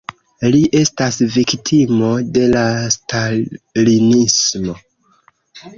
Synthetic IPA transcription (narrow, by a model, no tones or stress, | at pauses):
liʔe̞stasviktʰimo̞de̞lastalinismo̞